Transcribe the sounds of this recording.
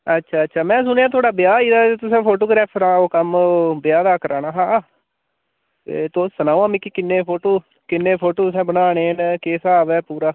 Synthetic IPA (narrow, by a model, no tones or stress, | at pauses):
ətːʃʰaːətːʃʰaːmɛ̃ːs̬ʊneːaːt̪̬ʰʊwaːɽaːbɪjaːiːd̪aːet̪ʊsɛ̃ːpʰoːʈoːɡɾɛːpʰɾãːoːkəmbɪjaːd̪aːkəɾaːnaːɦãː | ḛːt̪oːsənaːũãːmĩːkikɪnːẽːpʰoːʈoː | kɪnːẽːpʰoːʈoːsɛ̃ːbənaːneːnkeːsaːʋɛːpuːɾaː